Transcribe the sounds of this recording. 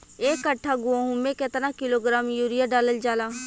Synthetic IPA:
eːkːəʈʰːaɡʊãɦũmẽket̪nakɪloːɡɾaːmjuːɾɪjaɖaːləld͡ʒaːlaː

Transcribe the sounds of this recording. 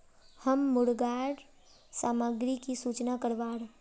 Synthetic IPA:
həmːʊɽɡaːɽ | saːməɡɾikisuːt͡ʃnakəɾʋaːɾ

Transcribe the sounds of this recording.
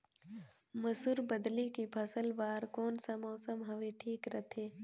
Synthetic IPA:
mɐsuɾbəd̪likipʰɐsəlbaːɾkoːnsamɔːsəmɦɐʋeʈʰiːkɾɐt̪ʰeː

